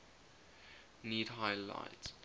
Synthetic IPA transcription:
niːdɦaɪla̰ɪts

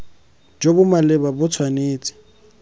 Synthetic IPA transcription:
d͡ʒobʊmalɪbabʊt͡sʰwaneːt͡sʼɪ̥

